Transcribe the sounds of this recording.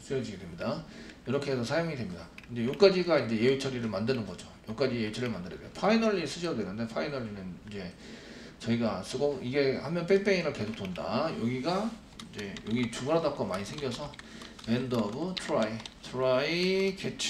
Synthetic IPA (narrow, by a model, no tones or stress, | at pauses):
s͈ɯjʌd͡ʑiɡedwe̞mɲidajʌɾʌkʰe̞ɦsʰʌsʰajoŋidwe̞mɲidakɯnd͡ʑe̞jok͈ad͡ʑiɡaind͡ʑe̞jewet͡ɕʰʌɾiɾɯɭmandɯnɯnɡʌd͡ʑojok͈ad͡ʑijeet͡ɕʰʌɾiɭmandɯɾedejopʰainʌɭːis͈ɯɕʰʌdwe̞nɯnde̞pʰainʌɭːinɯnind͡ʑe̞ | t͡ɕʌiɡas͈ʰɯɡoiɡe̞hamjʌnpʰenpʰe̞inɯɭke̞sʰok̚t͈onda̰jʌɡiɡa | ind͡ʑe̞jʌɡit͡ɕuɡɯɦadap̚k͈omaɲisʰe̞ŋɡjʌsʰʌ | endʌbɯtʰɾaitʰɾaiket͡ɕʰ